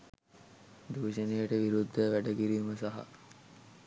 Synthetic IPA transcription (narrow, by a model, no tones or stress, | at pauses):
d̪uʋːʃənejəʈəʋiɾud̪ʱːəʋæɖəkiɾiːməsaɦa̰